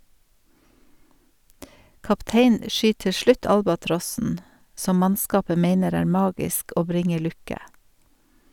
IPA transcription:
kɑpˈteɪnn̩ ə ˈʃʏt ˈtɪ ˈʃɭʉt ˈɑlbɑˌtɾɔsn̩ ˈsɔm ˈmɑnˌskɑːpə ˈmeɪnəɾ ˈæːɾ ˈmɑːɡɪsk ˈoː ˈbɾɪŋə ˈlʉkə

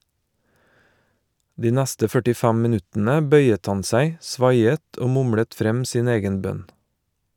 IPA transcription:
ˈdiː ˈnɛstə fœʈɪˈfɛm mɪˈnʉtn̩ə ˈbœʏət ˈɑn ˈsæɪ ˈsʋɑɪət ˈoː ˈmʊmɽət ˈfɾɛm ˈsiːn ˈeːɡən ˈbœn

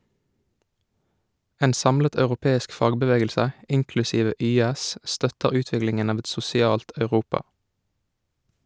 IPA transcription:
ˈeːn ˈsɑmlət ɑʉʁʊˈpeːɪsk ˈfɑːɡbəˌʋeːɡəlsə ˈʔɪŋklʉsiːʋə ˈʔyːæs ˈʔstœtəʁ ˈʉːˌtʋɪklɪŋən ˈɑːʋ ˈɛt sʊsɪˈɑːlt ɑʉˈʁuːpɑ

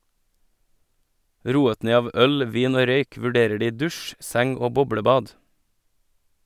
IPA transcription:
ˈɾuːət ˈneː ˈɑːʋ ˈœl ˈʋiːn ˈoː ˈɾœʏk ʋʉˈɖeːɾə ˈɖiː ˈdʉʃ ˈsɛŋ ˈoː ˈbɔbɽəˌbɑːd

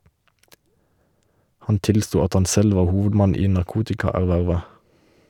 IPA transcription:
ˈhɑn ˈtɪlˌstuː ˈɑt ˈhɑn ˈsɛl ˈʋɑː ˈhuːʋədˌmɑn ˈiː nɑʁˈkuːtɪkɑˌæʁˌʋæʁʋə

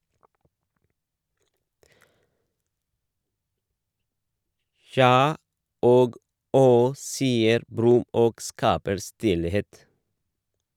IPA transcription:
ˈçjɑː ˈoːɡ ˈɔh ˈsiːəɾ ˈbɾʉm ˈoːɡ ˈskɑːpəɾ ˈstɪlheːt

